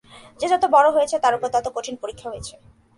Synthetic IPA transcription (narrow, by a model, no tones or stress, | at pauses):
d͡ʑed͡ʑɔt̪obɔɽoɦojet͡ɕʰet̪aɾukot̪ɔt̪okoʈʰinpoɾikʰːaɦojet͡ɕʰe